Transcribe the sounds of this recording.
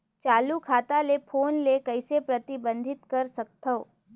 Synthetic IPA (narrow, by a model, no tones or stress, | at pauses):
t͡ʃaːlukʰaːt̪alepʰoːnlekɐɪsepɾɐt̪ɪbə̃nd̪ʱɪt̪kɐɾsɐk̚t̪ʰo